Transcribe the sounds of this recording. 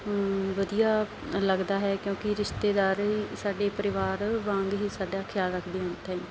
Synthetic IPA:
ʋəd̪ijaː | ləɡd̪aːɦɛːkjõːkɪɾɪʃt̪eːd̪aːɾɦiːsaːɖeːpəɾɪʋaːɾʋãːŋɡɦiːsaːɖaːkʰjaːlɾəkʰd̪eːʊ̃nt̪ãĩː

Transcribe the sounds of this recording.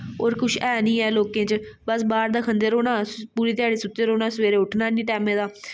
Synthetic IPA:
oːɾkʊʃʰɛːnĩːɛːloːkẽːt͡ʃbəsbaːɾd̪aːkʰənd̪eːɾoːnãːpuːɾiːt̪jaːɽiːsʊt̪ːeːɾoːnaːsʋeːɾeːʊʈʰnaːnĩːʈɛːmẽːd̪aː

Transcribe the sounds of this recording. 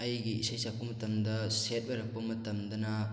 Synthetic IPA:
ɐjɡiisɐjsɐk̚pːɐmɐt̪ːɐmd̪ɐset̚bɐɾɐk̚pːɐmɐt̪ːɐmd̪ɐnɐ

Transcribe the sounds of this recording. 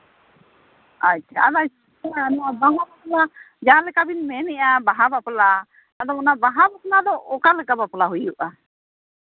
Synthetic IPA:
acːt͡ʃʰa̰ad̪a | anabaŋabapla | d͡ʒalɛkabinmɛnɛʔabaɦabapla | ad̪ɔɔnabaɦabapnad̪ɔʔɔkalɛkabaplaɦujuʔa

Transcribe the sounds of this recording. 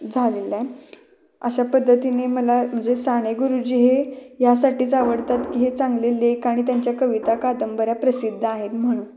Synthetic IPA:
d͡zʱalela | ə̰ɕapəd̪ʱːət̪ineməlam̤əɳd͡zesaɽ̃eɡuɾud͡ʑiːɦejasaʈiːt͡saʋəɽt̪at̪kiːɦet͡sãŋɡlelekaɽ̃it̪jaɲt͡ɕjakəʋit̪akad̪əmbəɾjapɾəsid̪ʱːəaɦet̪m̤əɽ̃uːn

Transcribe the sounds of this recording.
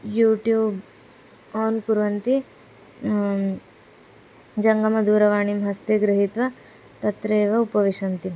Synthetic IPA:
juːʈjuːb | aːnkuɾʋɐnt̪i | d͡ʒɐŋɡɐmɐd̪uːɾɐʋaːɳimɦɐst̪eːɡɾɐɦit̪ʋɐ | t̪ɐt̪ɾeːʋɐupɐʋiʂɐnt̪i

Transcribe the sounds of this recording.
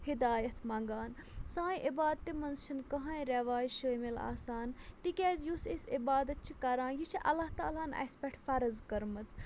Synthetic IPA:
hid̪aːjɐt̪ʰmãːŋɡaːnsãːjʔibaːd̪̚t̪ːimɐnzʃʰinkɐɦãːĩɾeʋaːjʃəːmila̰ːsaːnt̪ikʲɛːzjusesibaːd̪ɐt̪̚t͡ʃʰikɐɾãːnjit͡ʃʰiʔɐ̰lːaht̪a̰ːlaːnɐ̰spʲeʈʰfɐɾɐzkɐɾmɐt͡s

